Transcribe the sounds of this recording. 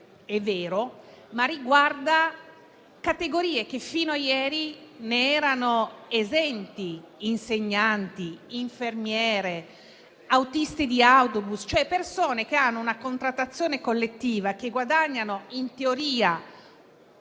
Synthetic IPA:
ɛvːeːɾo | mariɡward̪a | kat̪eɡoɾiːek̟efiːnoajɛːɾineɛːɾanoezɛnt̪iːnseɲːant̪iiɱfermjɛːɾe | awt̪ist̪id̪iawt̪obust͡ʃoɛpːersoːnek̟eanːounakont̪ɾat̪ːat̪sːjoːnekolːet̪ːiːvakeɡwad̪aɲːanoint̪eoɾiːa

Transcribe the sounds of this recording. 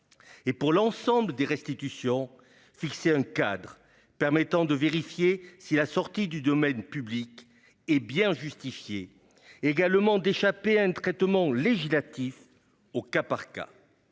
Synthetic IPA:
epuʁlɑ̃sɑ̃bləd̪eʁɛ̃st̪it̪ysjɔ̃ | fikseɛ̃kad̪ʁə | pɛʁmɛt̪ɑ̃d̪əveʁifjesilasɔʁt̪id̪yd̪ɔmɛnpyblik | ɛbjɛ̃ʒyst̪ifje | eɡalmɑ̃d̪eʃapeɛ̃t̪χɛt̪mɑ̃leʒislat̪if | okapaʁka̰

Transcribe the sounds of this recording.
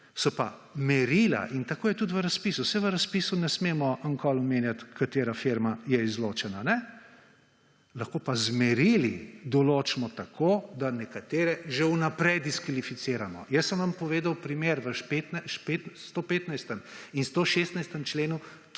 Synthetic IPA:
sɔpa | mɛɾila̰ʔint̪akoːjɛt̪ut̪ʋəɾaspiːsusɛʋəɾaspiːsunɛsmeːmɔəŋkʰɔlɔmeːnjat̪kat̪eːɾafeɾmajɛizloːt͡ʃɛnanɛ | laxkoːpazmɛɾilid̪ɔloːt͡ʃmɔt̪akʰoːd̪anɛkat̪eːɾɛʒewnapɾɛjd̪iskʋalifit̪seːɾamɔ̰jəsəmʋampɔʋeːd̪awpɾimeːɾʋəʃpet̪naʃpet̪st̪opeːt̪najst̪əminst̪oʃest̪najst̪əmt͡ʃleːnu

